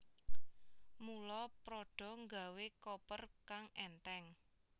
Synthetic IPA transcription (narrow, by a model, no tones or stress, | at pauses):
mulɔpɾɔɖ̥ɔ̤ŋɡa̤wekopərkaŋɛnt̪ɛŋ